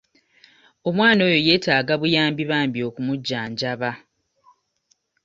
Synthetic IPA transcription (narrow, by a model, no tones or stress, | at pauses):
o̞mwaːno̞ːjo̞je̞ːtaːɡaβujaːmbiβaːmbjo̞kumuɟːaːɲɟaβa